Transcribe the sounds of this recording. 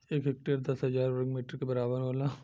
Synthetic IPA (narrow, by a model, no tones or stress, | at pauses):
eːkɦek̚ʈeɾd̪ɐsɦɐzaːɾɾəɡmiːʈəɾkebɐɾaːbəɾɦoːlaː